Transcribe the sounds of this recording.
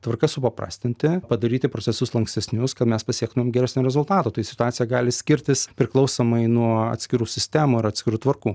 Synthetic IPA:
t̪ʋɐrkɐsʊpɐpɾɑ̰ːsʲt̪ʲɪnʲt̪ʲɪpɐd̪ɐɾʲiːt̪ʲɪpɾot͡ssʲɛsʊslˠɐŋksʲt̪ʲɛsʲnʲʊskɐt̪mʲɛspɐsʲiɛk̚t̪ʊmʲɛmɡʲɛɾʲæsʲnʲoːɾʲɛzʊlˠt̪ɑːt̪oːt̪ɐɪsʲɪ̥t̪ʊɑːtsʲɪjɛɡɑːlʲɪsʲkʲɪɾʲt̪ʲɪspʲɾʲɪklˠɒʊsoːmɐɪnuɔɐ̰t̪sʲkʲɪɾuːsʲɪsʲt̪ʲæːmoːɪɾɐt̪ʲsʲkʲɪɾuːt̪ʋɐrkuː

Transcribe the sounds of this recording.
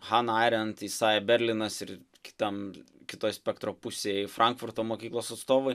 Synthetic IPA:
xɑnɑɪɾʲɛnt̪isɑːjʲɛbʲɛɾʲlʲɪnɐsɪɾ | kʲɪ̥t̪ɐmkʲɪt̪oːjsʲpʲɛkt̪ɾoːpusʲeːjɪfɾʔɐŋkfʊɾt̪oːmoːkʲiːklˠoːsɐt̪st̪oːʋoɪ

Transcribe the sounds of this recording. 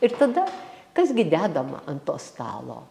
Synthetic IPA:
ɪɾt̪ɐd̪ɐkɐsɡʲɪd̪ʲæːd̪ɐmɐ̰ʔɐnt̪oːst̪ɑ̰ːlˠo̰ː

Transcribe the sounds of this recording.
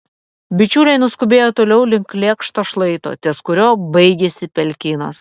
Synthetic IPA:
bʲɪt͡ʃʲuːlʲɛɪnʊskʊbʲeːjot̪oːlʲɛʊlʲɪŋklʲeːkʃt̪oːʃlˠɐɪt̪o̰ːt̪ʲiskʊɾʲoːbɐɪɡʲɛsʲɪpʲɛlʲkʲɪːnɐ̰s

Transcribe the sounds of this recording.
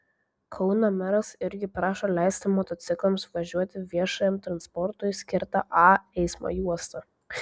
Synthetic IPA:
kʰɒʊnɐmʲɛɾɐsɪɾʲɡʲɪpɾɑːʃoːlʲɛɪsʲt̪ʲɪmɔt̪ɔt̪ʲɪklˠɐmsʋɐʒʲuɔt̪ʲɪʋʲiɛʃɐjɛmt̪ɾɐnspɔɾt̪ʊjsʲkʲɪɾt̪ɐʔɑːɛɪsmo̰juɔst̪ɐ

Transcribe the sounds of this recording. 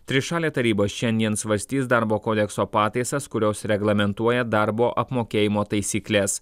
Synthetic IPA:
t̪ʲɾʲɪʃɑːlʲeːt̪ɐɾʲiːboːsʃʲɛnʲd̪ʲiɛnsʋɐɾʲsʲt̪ʲiːsd̪ɑɾboːkoːd̪ʲɛksoːpɑːt̪ɐɪsɐskʊɾʲoːsɾʲɛɡlˠɐmʲɛnt̪uɔjɛd̪ɑˑɾboːʔɐpmoːkʲeːjɪmoːt̪ɐɪsʲiːklʲɛs

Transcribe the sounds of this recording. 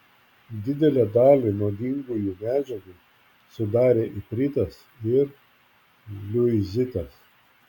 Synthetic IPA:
d̪ʲɪd̪ʲɛlʲɛd̪ɑːlʲinoːd̪ʲɪŋɡujumʲæːd͡ʒʲɛɡu | sʊd̪ɑːɾʲeːʔipʲɾʲɪt̪ɐs | ɪɾ | lʲʊɪzʲɪt̪ɐs

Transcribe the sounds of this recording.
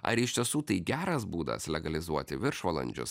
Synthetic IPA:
ɐ̰ɾɪʃʲt̪ʲiɛsuːt̪ɐɪɡʲæːɾɐsbuːd̪ɐ̰slʲɛɡɐlʲɪzuɔt̪ʲɪʋʲɪɾʃʋɐlˠɐ̰nʲd͡ʒʲʊ̰s

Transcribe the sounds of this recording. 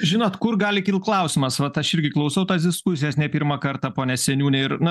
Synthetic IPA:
ʒʲɪnoːt̪kʊrɡɑːlʲɪkʲiːlˠklˠɐʊsʲɪmɐsʋɐt̪ɐʃɪɾʲɡʲɪklˠɐʊsɐʊt̪ɑːs̬d̪ʲɪskʊsʲɪjɛsnʲɛpʲiɾmɑkɐɾt̪ɑpoːnʲɛsʲɛnʲuːnʲɛɪɾnʊ

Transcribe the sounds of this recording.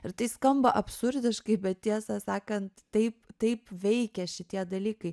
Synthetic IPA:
ɪɾt̪ɐɪskɐmbɐʔɐpʲsʊɾʲd̪ʲɪʃkɐɪbʲɛt̪t̪ʲiɛsɐsɑːkɐnt̪ːɐɪpt̪ɐɪpʋʲɛɪkʲɛʃʲɪt̪ʲiɛd̪ɐlʲiːkɐɪ

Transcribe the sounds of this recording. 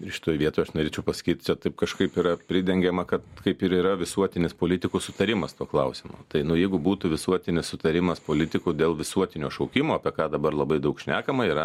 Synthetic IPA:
ʃʲɪ̥t̪oːjʋʲiɛt̪oːjɐʃnoːɾʲeːt͡ʃʲɛʊpɐsɐ̥kʲiːt̪t͡ʃʲɛt̪ɐɪpkɐʃkɐɪpiːɾɐpʲɾʲɪd̪ʲɛŋʲɡʲɛmɐkɐt̪kɐɪpɪɾiːɾɐʋʲɪsuɔt̪ʲɪnʲɪspoːlʲɪt̪ʲɪkusʊt̪ɐɾʲɪmɐst̪uɔklˠɐʊsʲɪmo̰ːt̪ɐɪnʊjɛɪɡʊbuːt̪ʊʋʲɪsuɔt̪ʲɪnʲɪssʊt̪ɐɾʲɪmɐspoːlʲɪt̪ʲɪkuːd̪ʲeːlˠʋʲɪsuɔt̪ʲɪnʲoːʃɐʊkʲɪmoːɐpʲiɛkɑːd̪ɐbɐrlˠɐbɐɪd̪ɐʊkʃʲnʲæːkɐmɐiːɾɐ

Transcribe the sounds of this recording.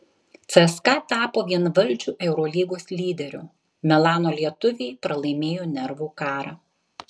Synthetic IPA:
t̪sɛskɐt̪ɑːpoːʋʲiɛnʋɐlʲˑd͡ʒʲuːʔɛʊɾɔːlʲiːɡoːslʲiːd̪ʲɛɾʲʊ̰ | mʲɛlˠɑːnoːlʲiɛt̪ʊʋʲeːpɾɐlˠɐɪmʲeːjoːnʲɛɾʋuːkɑːɾɑː

